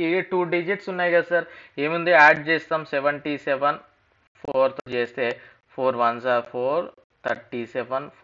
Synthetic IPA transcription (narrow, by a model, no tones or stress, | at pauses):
iʈuːɖid͡ʒiʈsunːaːjɡasaːɾeːmund̪iaːɖ̚t͡ʃeːst̪aːmsɛʋɐɳʈisɛʋɐn | pʰoːɾt̪oːt͡ʃeːst̪e̞ː | pʰoːɾʋɐnsaːɾpʰoːɾ | t̪ʰɐɾʈisɛʋɐnpː